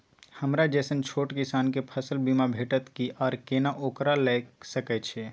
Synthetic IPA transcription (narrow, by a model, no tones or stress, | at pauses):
həmɾad͡ʒɛsənt͡ʃʰoʈkisankepʰəsəlbimabʱeʈət̪kiʔɔːɾkenaʔokɾalɛksəkɛt͡ʃʰɛ